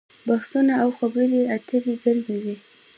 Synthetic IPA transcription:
baxsunaawxabəɾiat̪əɾizaɾbiwi

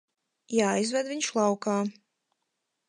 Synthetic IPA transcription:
jaːjzvɛd̪viɲʃlˠawkaː

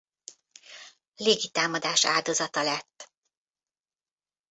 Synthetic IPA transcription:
leːɡit̪aːmɒd̪aːʃa̰ːld̪o̞zɒt̪ɒlɛt̪ː

